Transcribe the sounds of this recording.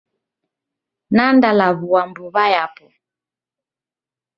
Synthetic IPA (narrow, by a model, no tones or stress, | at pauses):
nandalaβuwambuβajapɔ